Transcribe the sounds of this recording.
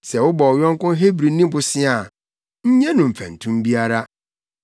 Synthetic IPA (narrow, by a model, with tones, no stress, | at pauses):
sɛ˨wʊ˦bɔ˨ɔ˨jɔ̃˦ŋ˦kʊ̃˦nɦe˦bɾi˨nĩ˦bʊ˨sɪ˦a˨ | ɲ̩˦ɲɛ̃˦nʊ̃˨m̩˨fæ̰̃˨n̩˨tʰũ˦mbi˦a˦ɾa˦